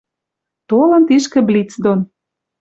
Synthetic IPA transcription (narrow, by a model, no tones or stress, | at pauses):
t̪olɤ̆nt̪iʃkĕblʲit͡sd̪on